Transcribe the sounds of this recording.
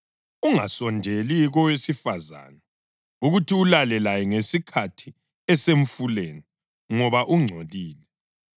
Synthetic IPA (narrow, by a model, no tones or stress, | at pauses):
uŋasɔndʱeliɣɔwesifaza̰ːna | uɣutʰiulalɛlajɛŋesikʰatʰi | ɛseɱ̩fuleni | ŋɔβaʔuŋ͡ǀʱoliːlɛ